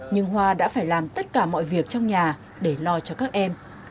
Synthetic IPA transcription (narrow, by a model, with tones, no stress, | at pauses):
ɲɨ˧ŋɦwaː˧ɗa̰ː˧˥faː˧˩jlaː˨˩mt̪ə˦˥t̚kaː˧˩mɔ̰˧˨jvi˨˩ək̚t͡ɕɔ˧wŋ͡mɲaː˨˩ | ɗe˧˩lɔ˧t͡ɕɔ˧kaː˦˥k̚ʔɛ˧m